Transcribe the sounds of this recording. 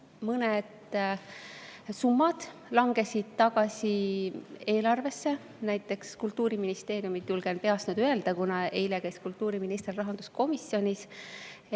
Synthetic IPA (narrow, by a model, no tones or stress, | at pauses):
mɤned̪̥ | sumːɑd̪̥lɑŋɡe̞sid̪̥t̪ɑɡ̥ɑsʲi | e̞ːlɑrve̞sːe̞ | næjt̪ːˑe̞kskult̪ːuːɾiminist̪e̞ːɾjumit̪ːulɡ̥enpeɑsnud̪ye̞ld̪̥ɑkunɑe̞jlekæjskult̪ːˑuːɾiminist̪rrɑɦɑnd̪̥usko̞misːjo̞nʲis